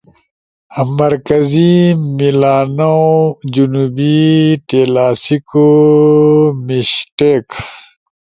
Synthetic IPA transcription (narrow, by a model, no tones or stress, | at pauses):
mːɐɾkɐzimilaːnod͡ʑunuːbit̪eːlaːsiko | miɕʈek